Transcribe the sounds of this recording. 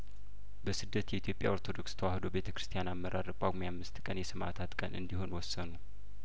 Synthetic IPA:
bəsɨd̪ːət̪jɛit̪jo̞pʼja̰ʔo̞ɾt̪ʰo̞d̪o̞kst̪ʰəwahd̪owbe̞t̪ʰə̥kʰɾɨ̥st̪ʰijanamːəɾʔaɾəkʼaɡmjamːɨst̪kʼənjɛsɨmʔa̰t̪ʰat̪kʼənɨ̰nd̪iho̞nwɔsːənu

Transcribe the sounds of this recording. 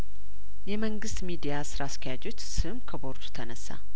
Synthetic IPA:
jɛməŋɡɨst̪mid̪ijasɨɾaskʰəjad͡ʒo̞t͡ʃːsɨɨmkʰəbo̞ɾd̪u̥t̪ʰənəsːa̰

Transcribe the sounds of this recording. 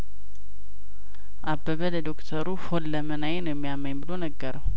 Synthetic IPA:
ʔabːəβələd̪okt̪ʰəɾuholːəmənajenəjɛmːijamːəɲmbɨlo̞nəɡːəɾəw

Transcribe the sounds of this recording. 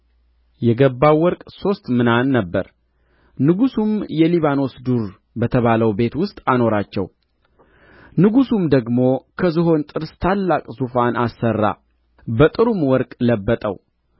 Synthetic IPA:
jɛɡəbːawwɔɾkʼso̞st̪mɨnanːəbːə̰ɾ | nɨɡusumjɛliβano̞sd̪uɾ | bət̪ʰəβaləwbe̞t̪wʊst̪ʼano̞ɾat͡ʃːɛ̰w | nɨɡusumd̪əɡmo̞kʰəzɨɦo̞nt̪ʼɨɾst̪ʰalːakʼzufanasːərːa̰ | bət̪ʼɨɾumwɔɾkʼləbːət̪ʼə̰w

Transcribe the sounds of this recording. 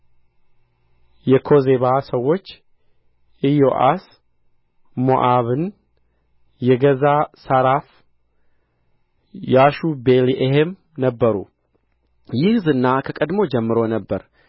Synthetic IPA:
jɛkʰo̞zeβasəwːo̞t͡ʃː | ʔɨjoʔa̰s | moʔaβɨn | jɛɡəzasaɾaf | jaʃubeliʔehem | nəbːəɾṵ | jɪhzɨnːakʰəkʼəd̪mo̞d͡ʒɛmːɨɾo̞nəbːəɾ

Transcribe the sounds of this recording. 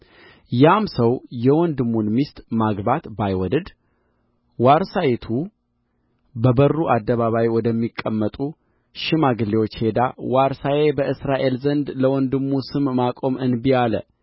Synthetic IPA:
jamsəwjɛwɔnd̪ɨmːunmist̪ʼmaɡbat̪bajwɔd̪əd̪ | waɾsajet̪ʰu | bəbərːuʔad̪ːəβaβawjwɔd̪əmːikʼːəmːət̪ʼu | ʃɪmaɡɨlːewot͡ʃːhe̞d̪awaɾsajebəʔɨsɾaʔe̞lzənd̪ləwɔnd̪ɨmːusɨmːakʼo̞mɨnbialə̰

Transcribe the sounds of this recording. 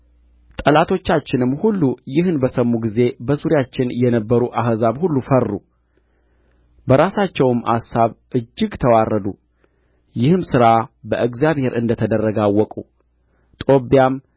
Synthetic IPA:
t̪ʼəlat̪ʰo̞t͡ʃːat͡ʃːɪnɨmːhulːujɪhɨnbəsəmːuɡize̞bəsuɾjat͡ʃːɪnjɛnəbːəɾuʔaɦzaβhulːufərːu | bəɾasat͡ʃːɛwɨmʔa̰sːaβʔɨd͡ʒːɪɡt̪ʰəwarːəd̪u | jɪhɨmsɨɾabəʔɨɡzjaβhe̞ɾɨnd̪ət̪ʰəd̪ərːəɡawːɔkʼu | t̪ʼo̞bjam

